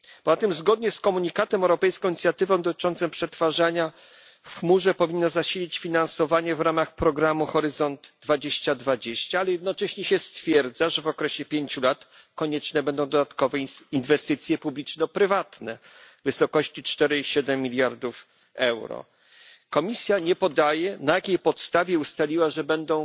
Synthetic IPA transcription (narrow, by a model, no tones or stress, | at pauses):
pɔzat̪ɨmzɡɔd̪̚ɲɛskɔmuɲikat̪ɛmɛwɾɔpɛjskɔ̃iɲʲit̪sʲjat̪ɘvɔ̃w̃d̪ɔt̪ɘ̥t͡ʂɔnt̪sɛmpʂɛt̪faʐaɲa | fxmuʐɛpɔvʲinːɔzaɕilʲit͡ɕfʲinansɔvaɲɛvɾamaxpɾɔɡɾamuxɔɾɘzɔnd̪d̪vad͡ʑeɕt͡ɕad̪vad͡ʑeɕt͡ɕaalɛjɛd̪̚nɔt͡ʂɛɕɲɛɕɛst̪fʲjɛɾd̪zaʐɛvɔkɾɛɕɛpʲjeɲt͡ɕulat̪ | kɔɲɛt͡ʂnɛbɛnd̪ɔ̃w̃d̪ɔd̪at̪kɔvɛinvɛst̪ɘt̪sʲjɛpublʲit͡ʂnɔpɾɘvat̪nɛ | vɘsɔkɔɕt͡ɕit͡ʂt̪ɛɾɘiɕɛd̪ɛmːʲilʲjaɾd̪uf | ɛwɾɔ̰ | kɔmʲisʲjaɲɛpɔd̪ajɛnajakʲejpɔt̪st̪avʲjɛust̪alʲiwaʐɛbɛnd̪ɔ̃w̃